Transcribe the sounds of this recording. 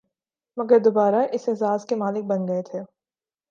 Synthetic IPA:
mɐɡəɾd̪obaːɾaʔɪsɪzaːzkemaːlɪk̚bɐnɡɐet̪ʰeː

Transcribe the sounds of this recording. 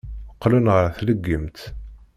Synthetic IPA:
əqːlunʁəɾθləɡːəmt̪

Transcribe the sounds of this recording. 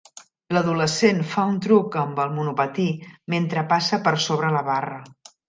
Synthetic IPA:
ləðuləsenfaunt̪ɾukəmbəlˠmunupət̪iment̪ɾəpasəpəɾsoβɾələβarə

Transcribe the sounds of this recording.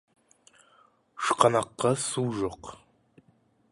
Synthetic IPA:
ʃqʰɑnɑqːɑsuːʒoq

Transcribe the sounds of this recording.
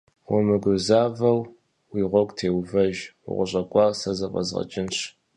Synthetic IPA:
wɔmɨɡʷʊzaːvɐw | wiʁʷɔkʷʼtʰeːwvɐʒ̰ʁʷʊɕʼɐkʷʼɑːrsɐzɐqʼɐ̰zʁɐ̰t͡ʃʼɪnɕ

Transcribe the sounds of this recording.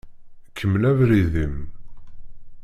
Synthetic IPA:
kʰːəmːlævɾiðim

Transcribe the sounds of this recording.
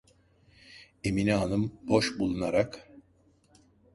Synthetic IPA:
eminiɦanɯmbo̞ʃbulˠunaɾak

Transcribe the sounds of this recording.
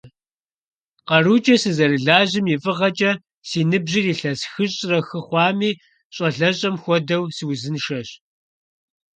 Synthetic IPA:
qɐruːt͡ʃʼɐsɨzɐrɨɮaːʑɪmjɪfʼɨʁɐt͡ʃʼɐ | siːnɨbʑɪriːɬɐsxɨɕʼrɐxɨχʷɑːmiː | ɕʼɐɬɐɕʼɐmxʷɔdɐwswzɨnʃɐɕ

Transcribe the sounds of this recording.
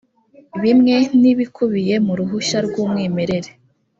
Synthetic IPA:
βimŋe̞niβikʰuβije̞muɾuɦuʃaɾɡuːmŋiːme̞ɾe̞ɾe

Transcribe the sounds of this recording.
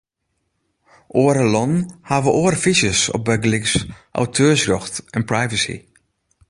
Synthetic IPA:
ʔoːəɾəlɔnhaːʋəʔoərfisjəsɔ̰p̚bɛɡəlɪksʔa̰wtʰøːsrɔxtɛnprajvəsḭ

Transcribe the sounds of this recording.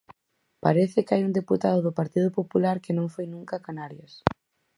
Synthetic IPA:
paɾeθɪkajuŋd̪eput̪aðʊðʊpaɾt̪iðʊpopulaɾkɪnõŋfojnũŋkakanaɾjɐs

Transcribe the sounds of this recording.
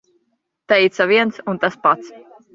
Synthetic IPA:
t̪ɛjt̪saviɛnsunt̪aspat̪s

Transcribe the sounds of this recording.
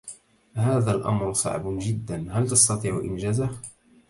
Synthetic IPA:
haːðaːlʔa̰mɾsˤɑ̰ʕbd͡ʒɪd̪ːanhalt̪ɑst̪ɑt̪ˤiːʕʊ̰ʔɪ̰md͡ʒaːzah

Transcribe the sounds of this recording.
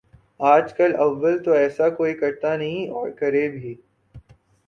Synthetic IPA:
aːd͡ʒkɐlɐʋːəlt̪oɛːsakoːikɐɾt̪anɐɦĩɔːɾkɐɾebʱiː

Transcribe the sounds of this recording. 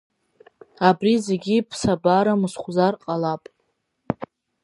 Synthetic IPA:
abrize̞ɡʲipʰsabaɾamɨsχʷzarqʼalapʼ

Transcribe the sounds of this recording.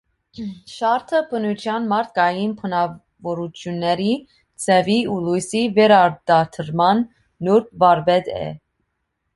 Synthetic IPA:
ʃɑɾt̪ʰəpʰənut͡ʃʰjɑnmɑɾt̪ʰkɑjinpʰənɑ | vɔɾut͡ʃʰjunːɛɾi | t͡sʰɛviulujsivɛɾɑɾd̪ɑt̪ʰəɾmɑnː | uɾt̚vɑɾvɛd̪ɛ̰

